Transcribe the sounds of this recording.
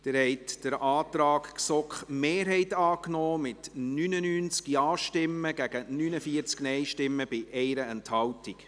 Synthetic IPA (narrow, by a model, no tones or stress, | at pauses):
d̪̥ɪɾhɛɪtd̥əɾʔɑːt̪ɾɑːkksɔkχmeːɾɦɛɪtɑːknɔːmɪt̪nynənyːnt͡skiɑːʃtɪmːəɡ̥æɡənynəfiəɾt͡sknɛɪʃtɪmːəb̥ɪʔɛɪɾəɛnthɑwtik